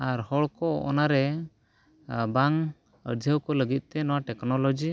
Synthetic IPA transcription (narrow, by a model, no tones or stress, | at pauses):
aɾhɔɭkɔɔ̰naɾɛ | baŋ | ə̰ɾd͡ʒ̪ʱəwkɔləɡit̪̚ˀt̪ɛnɔwaʈɛknɔlɔd͡ʒi